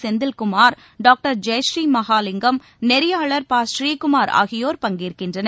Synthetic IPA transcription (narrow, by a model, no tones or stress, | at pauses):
sɛnd̪ɪlkʊmaːɾ | ɖaːk̚ʈɐɾd͡ʒɛjʃɾiːmɐɣaːlɪŋɡɐm | nɛɾɪjaːɭɐɾpaːsʃɾiːkʊmaːɾa̰ːɣɪjoːɾpɐŋɡiːɾkɪndrɐnɐ